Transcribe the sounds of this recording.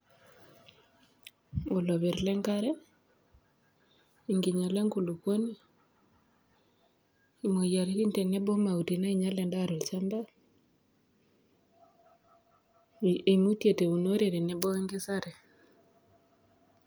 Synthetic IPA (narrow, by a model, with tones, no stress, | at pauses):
o˨lɔ˨βi˨ɾlɛ˦ŋka˦ɾɛ˦ | i˨ŋɡi˨ɲa˨le˦ŋku˨lu˨ko˦ni˦ | i˨mo˨ja˨ɾi˦i˦nte˨ne˦bɔ˦ma˨u˨ti˨na˦i˨ɲa˦lɛ˨nda˦ɾo˨lt͡ʃa˦nda˦ | i˨mu˦tje˨te˨u˨no˦ɾe˨ɾe˨ne˨bɔ˦i˦ŋɡɪ˦sa˦ɾɛ˨